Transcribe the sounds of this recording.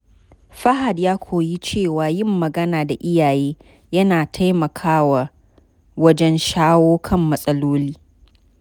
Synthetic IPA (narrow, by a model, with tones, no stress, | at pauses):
ɸɐ˦ɦa˨djaː˦kʷʰoː˨ji˦t͡ʃeː˦˨waː˨jɪ˦˨mːɐ˨ɡɐ˦naː˨da˨ʔɪ˦jaː˨jeː˦ | jɐ˦naː˨tʰa˦jmɐ˨kʰaː˦wa˨ | wɐ˦d͡ʒɛ˦nʃaː˦woː˦kʰɐ˦˨mːɐ˨sʼɐ˦loː˦liː˦